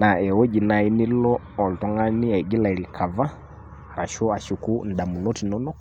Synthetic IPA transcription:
na˨ɛ˨wɔ˦d͡ʒi˨na˨i˦ni˦lɔː˦˨ltɔ˦ŋa˦ni˦a˨i˨ɡi˦la˨i˨ɾi˨kʰa˨va˦˨ | ɾa˨ʃɔ˦a˨ʃu˨ku˦n̩˨da˨mu˨nɔ˦ti˨nɔ˦nɔ˦k

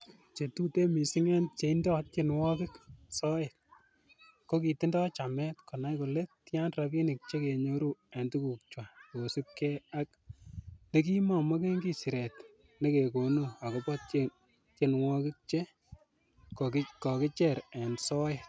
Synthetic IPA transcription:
t͡ʃe˨tu˦te˦mi˨sɪ˦ŋe˦nt͡ʃe˨indɔ˦t̚t͡ʃɪ˦nwɔ˦kɪ˦ksɔ˦jɪ˨t̚ | ko˦ki˨tɪ˦ndɔ˦t͡ʃamɛ˦tko˨na˦jko˨le˦tja˦nrabi˦nɪ˨k̚t͡ʃe˦ke˨ɲo˦ɾu˦a˨ntu˦ku˨k̚t͡ʃwa˨ko˨si˦p̚kɛ˦a˦k | ne˦k̬i˦mɔ˨mɔ˦ke˦ŋɡi˦sɪ˨ɾɛ˨t | ne˦ke˨ko˨nu˦a˨kɔ˨pɔ˦t̚t͡ʃe | t͡ʃɪ˦nwɔ˦kɪ˦k̚t͡ʃe˦ | kɔ˨kɪ˦t͡ʃɛɾa˨nsɔ˦jɪt

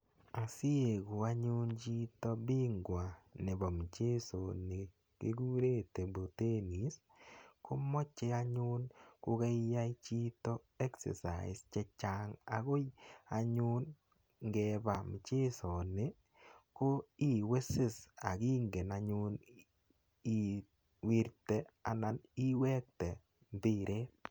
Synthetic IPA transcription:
a˨sɪ˦e˨ɡu˨a˦ɲʊ˦nt͡ʃi˦tɔ˦bi˦ŋɡwa˨ne˨bɔ˨m˨t͡ʃe˦so˨ne˨ | kḛ˦ɡu˦ɾe˦te˨bo˨te˦ni˨˦s | ko˦mɔ˦t͡ʃe˦a˦ɲʊ˦nkʊ˦ke˦ja˦i˦t͡ʃi˦tɔ˦ | ɛ˦ksḛ˨sa̰˨ɪ˨st͡ʃɛ˦t͡ʃa˦ŋa˨ɡo˦ja˨ɲʊ˦n | ŋɡɛ˨ba˨mɪ˨t͡ʃe˦sɔ˨nɪ˦ | ko˦i˦we˦sɪ˦sa̰˨ki˦ŋɡe˨na˨ɲʊ˦n | i˦ | wi˦ɾte˦a˨na˨ni˦wɛ˦k̚tɛ˨ | mbɪ˦ɾʔe˦

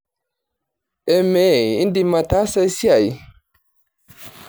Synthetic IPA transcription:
ɛ˨mɛ˨˦˨i˦ndi˦ma˨ta˦sa˦jsi˦a˨j

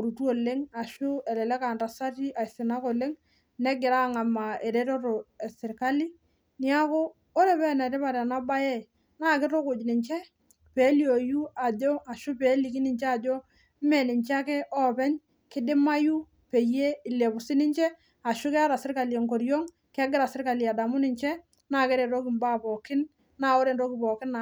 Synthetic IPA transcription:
o˨ɾu˨tu˦o˨lɪ˦ŋa˨ʃʊ˦ɛ˨lɛ˨lɛ˦ka˨nɾa˨sa˦ti˦ʔa˨i˨sɪ˨na˦ko˨lɪ˦ŋ | nɛ˦ɡɪ˨ɾa˦˨ŋa˨ma˨e˨ɾe˦ɾo˦ɾo˨ɛ˨sɪ˨ɾka˦li˦ | ni˦a˦ko˦ | o˦ɾe˨pɛ˦nɛ˨ɾɪ˦pa˨ɾɛ˨na˦ba˦jɛ˦˨ | na˦˨kɪ˦ɾo˦kʊ˨d͡ʒnɪ˨ɲt͡ʃɛ˦ | pe˨˦li˨o˨ju˦a˨d͡ʒo˦a˨ʃʊ˦peː˨˦li˨ki˦nɪ˨ɲt͡ʃɛ˦a˨d͡ʒo˦ | mɛ˨nɪ˨ɲt͡ʃa˦ke˦ʔɔ˦pɛ˦ɲ | kɪ˦dɪ˦ma˦ju˦ | pe˨je˦ɪ˨le˨pʊ˨sɪ˦nɪ˦ɲt͡ʃɛ˦ | a˨ʃʊ˦kɛ˦a˦ɾa˨sɪ˦ɾka˨li˨e˨ŋko˨ɾjo˦ŋ | ke˦ɡɪ˦ɾa˨sɪ˦ɾka˨li˨a˨da˨mʊ˦nɪ˨ɲt͡ʃɛ˦ | na˦˨kɪ˦ɾe˨ɾo˦kɪ˨mba˦˨pɔ˨kɪ˦n | na˦o˦ɾe˨nɾo˦kɪ˨pɔ˨kɪ˦na˨

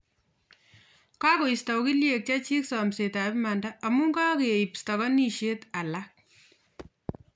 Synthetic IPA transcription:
kɑ˦ko˨ista˨wki˦lje˨k̚t͡ʃa˦t͡ʃi˦ksɔ˨mse˨ta˨pma˨ndaʔɐ˨mu˦ŋɡɑ˦ke˨ipsta˨kɔ˦ni˦ʃe˦ta˨lak̚

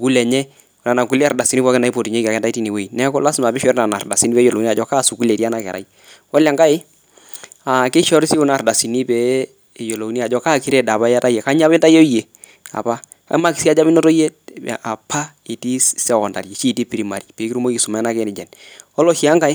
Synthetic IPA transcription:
u˨ku˦lɛ˨ɲɛ˦ | ʊ˨na˨na˨ku˦lɛ˦˨rda˨si˨ni˦pɔ˦kɪ˦na˨i˦po˨ti˨ɲe˦ki˨a˨kɛ˦nta˦i˦ti˦ni˨we˦i˨nɛ˦kɔ˦la˦sɪ˦ma˨bɪ˦ʃɛ˦ɾna˨na˨ɾda˨si˦ni˦pɛ˨˦jo˨lo˨˦ni˦a˨d͡ʒɔ˦ka˦˨su˨ku˦le˨ti˦a˦na˨kɛ̰˨ɾʔa̰˨i | ɔ˦la˨ŋɡa˦ɪ˦ | a˨kɪ˦ʃɔ˦ɾi˦si˦u˦na˨ɾda˨si˨ni˦pɛ˨˦˨ | jo˨lo˨˦ni˦a˨d͡ʒɔ˦ka˦˨ki˦ɾe˦da˨pa˦ja˦ta˦jɛ˨ka˦ɲ˦a˦pɪ˦nta˦jo˦je˨ | a̰˨pa˦ | ka̰˦ma˦ki˨si˦a˦d͡ʒa˦pɪ˦no˦to˦je˦˨a˨pʰa˦ | i˨ti˦sɛ˦˨ɔ˨nda̰˨ɾe˨t͡ʃi˦˨ti˦pi˨ɾi˨ma˨ɾi˦˨pe˨˦ki˦ɾu˦mo˦iki˨su˨ma˨˦na˦kɛ˦nɪ˨d͡ʒɛ˨nɔ˦lo˦ʃi˨˦a˦ŋɡa˦ɪ˦

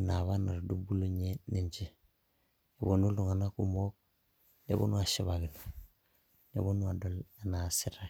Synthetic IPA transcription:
naβa˦na˨ɾdu˦bu˦lu˦ɲe˦ni˨ɲd͡ʒi˦ | e˨bo˨nu˦ldu˨ŋa˨na˦kumo˦k̚ | dḛ˨bo̰˦nu˦a˨ʃiβaɡi˨n | nḛ˨bo˦nu˦a˨dola˨na˨si˦ɾa˨

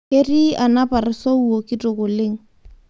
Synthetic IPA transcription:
e˦ri˦a˨na˦pʼa˨rɪ˨so˦u˨o˨kɪ˦tʼʊ˨kʊ˨lɪ˦ŋ̩˦

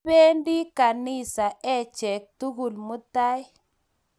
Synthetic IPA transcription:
e˦ndi˦ka˨ni˦sa˨ʔe˦t͡ʃe˨k̚tu˦ɡu˨lmu˦ta˦j

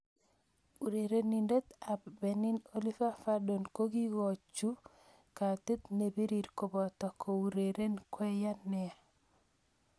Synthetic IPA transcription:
u˨ɾe˨ɾe˦ni˨nde˦t̪a˨bbɛ˨ni˦no˦li˦fa˦fa˦do˨nko˦ɡi˦ɡɔ˨t͡ʃːu˦ | ka˨t̪i˦t̪ne˨bi˦ɾi˨ɾko˨bɔ˨t̪ɔ˨kʰo˨u˨ɾeɾe˦nkwɛ˦ja˦nɪ˨a˨

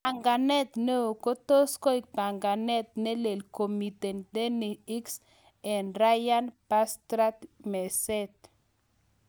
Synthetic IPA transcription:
a˨ŋɡa˨nɛ˦t̪ne˦o˨ko˦to˦sko˦i˨k̚pa˨ŋɡa˨nɛ˦t̪̚ne˦le˨lko˨mi˨te˨nde˦ni˨i˦ks | ɛ˨nɾa˦ja˦npa˦st̪ɾa˦t̪mɛ˨sɛ˦t̪

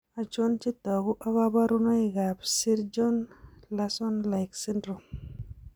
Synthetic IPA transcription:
a˨t͡ʃo˦nt͡ʃi˦tɔ˨ɡu˦ʔa˦βa˦ba˦ɾu˦no˦i˨ɡa˨psi˦ɾd͡ʒɔ˦nla˦sɔ˦nla˨jksi˦ndɾu˨m

